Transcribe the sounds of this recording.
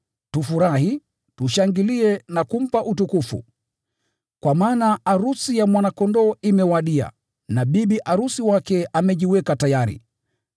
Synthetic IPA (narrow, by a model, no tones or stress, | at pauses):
tufuɾahi | tuʃaŋɡiliɛnakum̩paʔutukufṵ | kwamaːnaaɾusijamwanakɔndɔimɛwaɗia̰ | naɓiɓiʔaɾusiwakɛʔamɛʄiwɛkatajaɾḭ